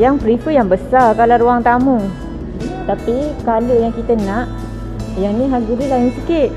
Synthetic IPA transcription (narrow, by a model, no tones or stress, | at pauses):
jaŋpɾifujaŋbəsarkalaɾuaŋt̪amuŋ | t̪apikaluʔjaŋkit̪ənaʔ | jaŋniɦaɡuɾilaŋiŋsikɪt̚